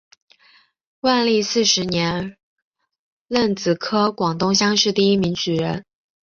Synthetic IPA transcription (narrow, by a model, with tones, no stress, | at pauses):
wa˥˧nli˥˧sɹ̩˥˩ʂɻ̩˧˥njɛ˧˥n | lə˥˩nt͡sɹ̩˨˩kʰɤ˥kwɑ˨˩ŋt̪ʊ˥˧ŋɕ̬jɑ˥ŋʂɻ̩˥˧t̪i˥˧i˥mi˧˥ŋt͡ɕy˨˩ɻə˧˥n